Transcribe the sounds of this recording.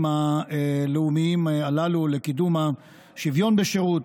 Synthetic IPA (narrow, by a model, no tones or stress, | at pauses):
maeleumiimalalule̞kid̪uma | ʃivjo̞nbeʃeʁut